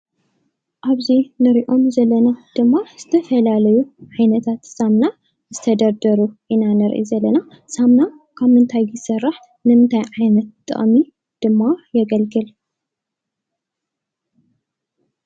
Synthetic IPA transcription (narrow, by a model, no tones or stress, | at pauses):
ʔaβzinɨɾiʔo̞mzɐlːɐnad̪̥ɨmːaz̥ɨt̪ʰɐfɐlalɐjuʕajnɐt̪ʰat̪samna | zɨt̪ʰɐd̪ɐɾd̪ɐɾuʔɨnanɨɾʔḭzɐlːɐna | samna | kʰaβmɨnt̪ʰajːɪsɐrːaħ | nɨmɨnt̪ʰajʕajnɐt̪̚t̪ʼːɨ̰χʼmi | d̪̥ɨmːajɛɡɐlɡɨl